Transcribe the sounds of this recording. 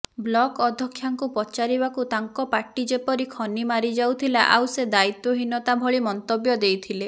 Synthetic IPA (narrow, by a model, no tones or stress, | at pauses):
blɔkɔd̪ʱɔkʰːjaŋkupɔt͡ʃaɾiβakut̪aŋkɔpaʈid͡ʒepɔɾikʰɔnimaɾid͡ʒawt̪ʰilaʔa̰wsed̪ait̪wɔɦinɔt̪abʱɔɭimɔnt̪objɔd̪ejt̪ʰile